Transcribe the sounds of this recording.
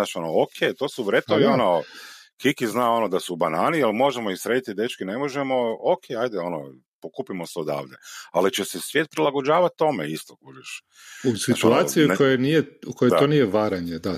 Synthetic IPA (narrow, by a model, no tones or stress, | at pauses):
aʃonookʰejt̪o̞ːsuʋɾet̪oʋiono | kikiznao̞nod̪asubanaːnialmo̞ʒemoisɾe̞ːd̪it̪id̪e̞t͡ʃkinemo̞ʒemo̞okʰeajd̪eo̞no̰ | pokuːpimoseod̪a̰ːʋd̪ḛalit͡ʃesesʋjeːt̪̚pɾilˠaɡo̞d͡ʒaːʋat̪t̪ːo̞mḛist̪okuʒeʃ | usit̪uaːsiikojenijeukojoaonijeʋaɾaɲed̪a